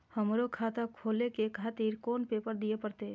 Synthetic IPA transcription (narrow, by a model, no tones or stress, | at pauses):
həmɾokʰaːt̪akʰoːlekekʰaːt̪iːɾkoːnpepəɾd̪iepəɾt̪e